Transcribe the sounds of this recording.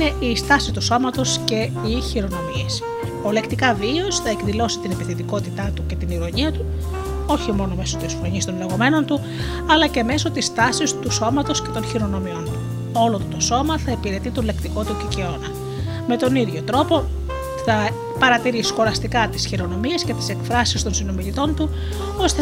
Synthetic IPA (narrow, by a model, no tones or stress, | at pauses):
ne̞ʔist̪ɐsit̪uso̞mɐt̪o̞sce̞ | içiɾo̞no̞mies | ole̞kt̪ikɐviosθɐekðilo̞si̥t̪inepiθit̪iko̞t̪it̪ɐt̪uce̞t̪iniɾo̞ɲiɐt̪u | o̞çimo̞no̞me̞sot̪isfɾoɲist̪onle̞ɣo̞me̞no̞nt̪u | ɐlɐce̞me̞so̞t̪ist̪ɐsist̪uso̞mɐt̪o̞sce̞t̪o̞nçiɾo̞no̞mio̞nt̪u̥ | o̞lot̪oso̞mɐθɐepiɾe̞t̪it̪olekt̪iko̞t̪uceceonɐ | me̞t̪o̞niðʝo̞t̪ɾo̞po̞ | θɐ | pɐɾɐt̪iɾisxo̞ɾɐst̪ikɐt̪isçiɾo̞no̞mie̞sce̞t̪i̥se̞kfɾɐsist̪o̞nsino̞milit̪o̞nt̪u | o̞st̪e